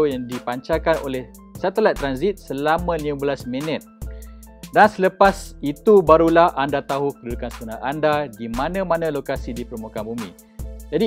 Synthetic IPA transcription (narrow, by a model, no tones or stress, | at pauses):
ojaŋdipaɲt͡ʃakano̰lɛh | sat̪əlat̪̚ːɾanzit̪̚səlamãlimãbəlasmənət̪̚ | dansələpasit̪ubaɾulahandat̪aɦukədudukansəbunaandadimãnãmãnãlokasidipəɾmukabumḭ̃ | d͡ʒadi